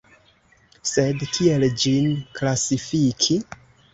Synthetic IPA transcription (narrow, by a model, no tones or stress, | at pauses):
se̞dkʰie̞ld͡ʒinklasifikʰi